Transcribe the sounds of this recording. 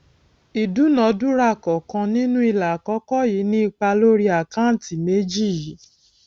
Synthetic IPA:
i˨du˨˦nɔ̃˨˦du˦ɾa˦˨kɔ˨kã˧nĩ˦nũ˦i˧˨la˨kɔ˨˦kɔ˦˨ji˨˦nĩ˦i˦˧k͡pa˧lo˦ɾi˦a˨kã˦n̩˨ti˨me˨˦d͡ʒi˦˨ji˨˦

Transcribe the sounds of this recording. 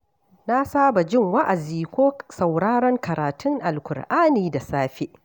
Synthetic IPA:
na˦saː˦ba˨d͡ʒɪ˦ŋwa˦ʔa˨ziː˨kʷoː˦sa˨wɽaː˦ɽɔ˦ŋkɐ˨ɾaː˨tʰʊ˦ŋʔa˨lkʷʊ˨ɽʔaː˦niː˨da˨saː˦ɸe˦ʔ

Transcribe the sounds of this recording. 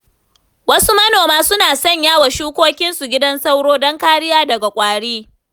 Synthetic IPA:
wɐ˦su˦mɐ˦noː˨maː˦sʊ˦naː˨sɔ˦˨ɲjaː˦wa˨ʃuː˦kʷoː˦kʲɪ˦nsu˨ɡʲɪ˦dɐ˦nsa˦wɽoː˦dɔ˦ŋkaː˦ɽɪ˦jaː˦dɐ˨ɡa˨kʷʼaː˨ɽiː˦

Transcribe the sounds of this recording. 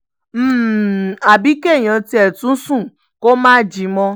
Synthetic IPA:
m̩ː˦˨a˨bi˨˦ke˦˨j̃ã˨˧ti˦ɛ˦˨tũ˨˦sũ˦˨ | ko˦mãː˦d͡ʒi˨˦mɔ̃˧

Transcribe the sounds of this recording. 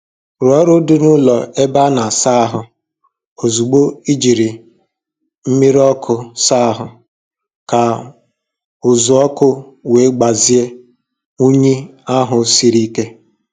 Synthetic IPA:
ɾɔ˦ɾʊ˦dʊ˦nʊ˦lɔ˨e˦ba˦na˨sa˦a˦ɦʊ˨ | o˨zu˨ɡ͡bo˦i˦d͡ʒi˨ɾi˨ | m̩˦mi˦ɾɔ˦kʰʊ˦sa˦a˦ɦʊ˨ | ka˨ | ʊ˨zʊ˨ɔ˦kʊ˦ | we˨˦ɡ͡ba˨zi˦e˦ | u˦ɲi˦a˦ɦʊ˨si˦ɾi˦ke˦

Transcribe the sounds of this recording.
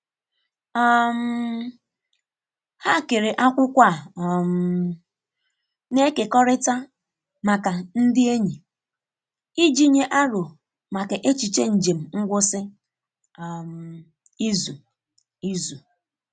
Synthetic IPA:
a˦˨m̩˦ | ha˦˨ke˨ɾe˨ʔa˦kʷʊ˦kʷa˦˨m̩˨ | ne˦ke˨kɔ˦ɾɪ˦ta˦ | ma˨ka˨n̩˦dɪ˦e˦ɲi˨ | i˦d͡ʒi˦ɲe˦ʔa˦ɾʊ˨ | ma˨ke˨ʔe˦t͡ʃi˨t͡ʃe˦n̩˨d͡ʒe˨m̩˨ŋ̩˦ɡʷʊ˦sɪ˦˨ | m̩˨ | i˦zu˨ | i˦zu˨

